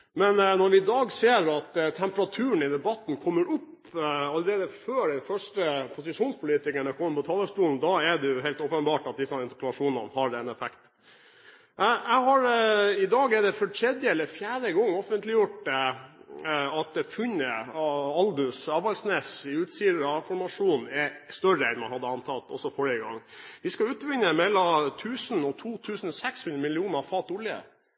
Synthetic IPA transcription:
mɛnnɔɾʋɪd̪ɑːɡseːɾɑt̪t̪ʰːɛmpəɾɑt̪ʰʉːɳ̩ɪd̪ɛbɑt̪ːnkʰɔmːəɾʊp | ɑlːəɾeːd̪əføːɖɛnfœʂʈəpʰʊsɪʂuːnspʰʊliːt̪ɪkəɳəkʰɔmənpɔt̪ʰɑːlːəsʈuːln̩d̪ɑɛɖɛjʊɦɛɪlt̪ɔːpənbɑːʈɑt̪̚d̪ɪsɑnɪnt̪ə̥ɾpʰəlɑʂuːnɑ̰nhɑɖ̪ɛnɛfɛkt̪ | ʔææɪɦɑɾɪd̪ɑːɡɛɖ̪ɛfɔʈʰɾɛd̪jəɛlːəfjæːɖəɡɔŋːɔfənt̪lɪjʊʈː | ɑt̪̚ɛfʉɲəɑld̪ʉsɑːʋɑlsnɛsɪʉːt̪siːd̪əɾɑfɔɾmɑʂuːnɛst̪œɾəɛnmɑnhɑd̪ːəɑnt̪ʰɑlt̪ɔ̰sːɔfɔɾɪəɡɑ̰ŋːʋɪskɑʉːt̪ʋɪɲːəmɛlːɔt̪ʰʉːsnɔt̪ʰuːt̪ʰʉːsən̩ɔsɛkshʉnɾəmɪlɪuːnəɾfɑːt̪ɔlɪə̰

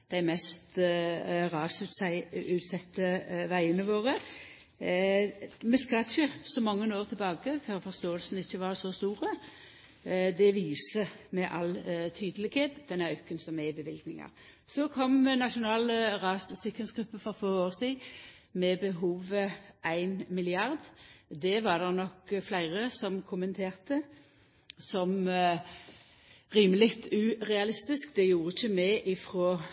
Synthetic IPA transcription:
d̪̥æɪmɛst̪ | ʁɑːsʉt̪sɪʉːt̪sɛt̪ːəʋæɪənəʋoːʁə | mɛskɑlçəsɔmɑŋːənoːʁt̪ʰɪlbɑːɡəføːʁfɔʁst̪oːəlsənəɪçːəʋɑʁsɔst̪uːɾə | d̪ɛʋiːsəmɛʔɑlt̪ʰyːd̪əlɪɡheːt̪d̪ɛnːəœkːənsɔmɛbəʋɪlɡnɪŋɑ̰ʁ | sɔkʰɔmnɑʃʊnɑːləʁɑːssɪkənsɡɾʉpːəfɔfɔʁoːʁsiː | mɛbəɦuːʋəʔæɪnmɪlɪɑʁd̪d̪ɛʋɑʁd̪ɛʁnɔkflæɪʁəsɔmkʰʊmənt̪ʰeːʁt̪ə | sɔm | ʁiːməlɪkt̪ʉʁɛɑlɪst̪ɪskd̪ɛjuːɾəɪçəmæɪʔɪfʁoː

